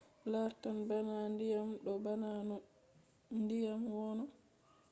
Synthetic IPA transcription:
laɾtanbanandijamɗɔbanan | ndijamwɔnɔ

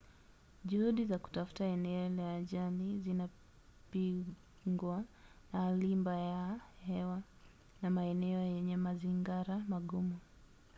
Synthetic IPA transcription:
ʄuhuɗizaku̥tafu̥taɛnɛɔlaʄalizina | pi | ŋɡwa | nalimbajahɛwa | namaɛnɛɔjɛɲɛmaziŋɡaɾamaɠumu

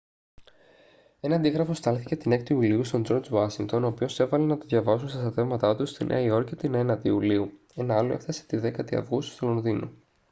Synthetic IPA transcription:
e̞nɐnd̪iɣɾɐfo̞st̪ɐlθice̞t̪ine̞kt̪iuliust̪o̞nd͡ʒo̞ɾd͡ʒwɐsiŋɡkt̪ono̞ːpio̞se̞vɐlenɐt̪oðʝɐvɐsunst̪ɐst̪ɐt̪e̞vmɐt̪ɐt̪ust̪inʔḛɐio̞ɾkcet̪ine̞nɐt̪iuliu | e̞nɐɐlo̞efθɐse̥t̪iðe̞kɐt̪iɐ̰vɣust̪st̪olo̞nðino̰

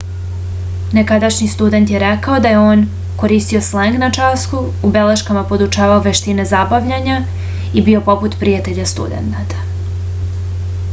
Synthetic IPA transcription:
ne̞kad̪aʃɲist̪ud̪e̞nt̪je̞ɾekao̞d̪aje̞o̞ːn | ko̞ɾiːst̪io̞sleŋɡnat͡ʃaskuːbe̞le̞ʃkamapo̞d̪ut͡ʃaːʋaoʋe̞ʃt̪ine̞zabaʋʎaɲa | ibio̞po̞put̪pɾijat̪e̞ʎast̪ṵd̪e̞̰nt̪at̪ḁ

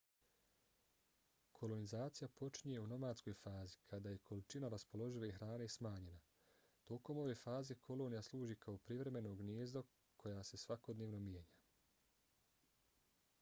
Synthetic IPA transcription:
kʰo̞lo̞nizaːt̪sijapo̞t͡ʃiɲeuno̞maːd̪sko̞jfaːzikʰad̪aje̞kʰo̞lit͡ʃinaɾaspo̞lo̞ʒileixɾaːnesmaːɲe̞na | t̪o̞ko̞mo̞ʋe̞faːze̞kʰo̞lˠo̞ːnijaslˠuːʒikʰaopɾiʋɾe̞me̞no̞ːɡnjeːzd̪o | kʰo̞jase̞sʋako̞d̪neːʋno̞mjeːɲa

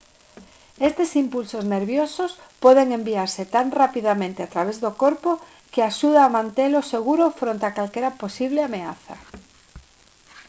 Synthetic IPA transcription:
est̪esimpulsozneɾβjosos | poðeŋẽmbiaɾset̪aŋrapiðamẽnt̪eat̪ɾaβ̞ezðokoɾpo | keaʃuð̞aːmãnt̪eloseɣuɾofɾont̪akalkeɾaposiβ̞leameaθa̰

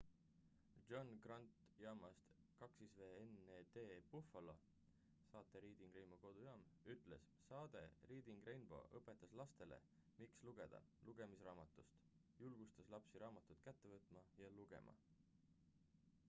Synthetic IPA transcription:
ʒ̥onɡ̥rɑnt̪ˑ | jɑmɑst̪kɑksisveːened̪̥eːb̥ufɑlo̰ | sɑːt̪ˑːe̞ɾiːd̪̥iŋɡrejnboko̞d̪̥ujɑːmyt̪ːˑle̞̰s | sɑːd̪̥e̞̰ɾiːd̪̥iŋɡ̥rejnb̥o̞̰ʔɤpːˑe̞t̪ːˑɑslɑst̪e̞le̞̰ | miksluɡ̥e̞d̪̥ɑ̰luɡ̥e̞misrɑːmɑt̪ːˑust̪ | julɡ̥ust̪ɑslɑpsiɾɑːmɑt̪ːˑut̪kæt̪ːe̞vɤt̪ːˑmɑjɑluɡ̥e̞̰mʔɑ̰

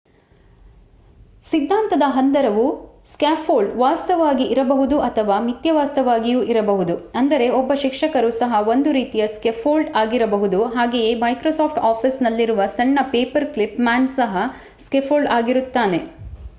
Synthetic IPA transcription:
sid̪ʱːaːnt̪ɐd̪ɐɦɐnd̪ɐɾɐʋuskaːpʰːoːɭɖʋaːst̪ɐʋaːɡiʔːɾɐbɐɦud̪uʔɐt̪ʰɐʋaːmit̪jɐʋaːst̪ɐʋaːɡijuʔiɾɐbɐɦud̪uɐnd̪ɐɾe̞ɔbːɐʃikʂɐkɐɾusɐɦɐo̞nd̪uɾiːt̪ijɐskepʰoːɭɖaːɡiɾɐbɐɦud̪uɦaːɡeje̞ːmɐjkɾosaːpʰʈaːpʰisnɐlːiɾuʋɐsɐɳːɐpeːpɐɾklipmaːnsɐɦɐ | skepʰoːɭɖaːɡiɾut̪ːaːne̞

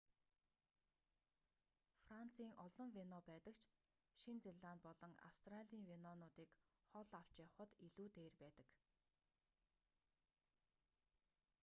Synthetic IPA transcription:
fran̥t͡sʰiːŋʔɔɮɞ̆ŋwenɔːpæːt̪ə̆kt͡ɕʰ | ʃint͡seɮaːn̚pɔɮɞ̆ŋa̰wst̪raɮʲiːŋwenɔnʊːt̪iːk | χɔɮaw̥t͡ɕjawχə̆t̪iɮuːt̪eːrpæːt̪ə̆k

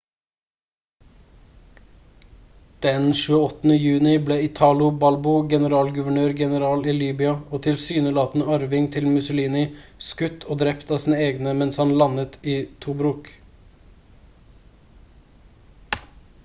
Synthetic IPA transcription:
d̪̥ɛnʃʉːəɔt̪n̩əjʉːnɪbleːɪt̪ʰɑːlʊbɑlbʊɡɛnəɾɑːlɡʉʋəɳøːɾɡɛnəɾɑːliːliːbʏɑoːt̪ʰɪlsyːnəlɑːt̪n̩əɑɾʋɪŋt̪ʰɪlmʉsʊliːnɪskʉt̪ʰoːd̪ɾɛpt̪ɑːsiːnəeːɡnəmɛnshɑnlɑnət̪iːt̪ʰuːbɾuːk

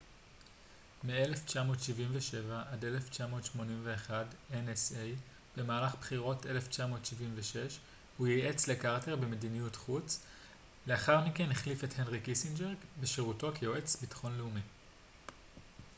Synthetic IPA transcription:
meele̞ft͡ʃamo̞ːtʃivimveʃe̞vaʔade̞le̞ft͡ʃamo̞ːtʃmo̞nimve̞ːχadenesej | b̥e̞maːlaχbχiʁo̞tʔe̞left͡ʃamo̞ːtʃivimveʃe̞ʃ | hujiʔet͡slekaʁte̞ʁbemedinijutχut͡s | le̞aχaʁmikenhiχlifethenʁikisinbeʁɡbeʃeʁuto̞kejoet͡sbitḁχo̞nleumi

